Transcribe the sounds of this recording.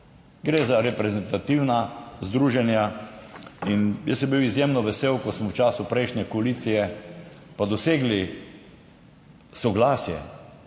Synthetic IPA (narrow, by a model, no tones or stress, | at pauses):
ɡɾezaɾɛpɾɛzɛnt̪at̪iwnazd̪ɾuːʒɛnja | injɛ̰sɛmbiwizjemnɔʋɛseːwkɔsmɔwt͡ʃaːsʊpɾɛɪʃnʲɛkɔalit̪sijɛpad̪ɔseːɡli | sɔɡlaːsjɛ̰